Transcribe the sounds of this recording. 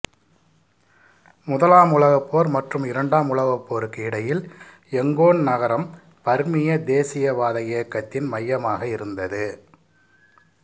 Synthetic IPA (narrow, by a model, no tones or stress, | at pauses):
mʊðɐlaːmʊɭɐɣɐpːoːɾmɐʈrɯmɪɾɐɳɖaːmʊɭɐɣɐpːoːɾkiːɽɐjɪl | ɛŋɡoːnnɐɣɐɾɐm | pɐɾmɪjɐd̪eːsɪjɐʋaːðɐjeːkːɐt̪ːɪnmɐjːɐmaːɣɐɪɾɯnd̪ɐðɯ